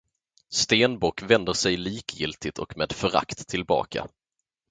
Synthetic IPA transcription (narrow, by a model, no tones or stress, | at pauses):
st̪eːnbɔkːvɛnd̪əʂɛjliːkjɪlt̪ʰɪt̪ʰɔ̰kmeːd̪fœɾa̰kt̪ʰːɪlbɑ̰ːkʰa̰